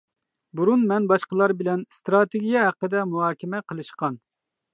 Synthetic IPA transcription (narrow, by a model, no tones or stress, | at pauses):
buɾunmɛnbɑʃqəlˠɑɾbɪlɛnst̪ɾɑt̪ʰeɡʲijɛɦæqːəd̪ɛmuɦɑːkʲʰɪmɛqʰəlˠɨʃqɑn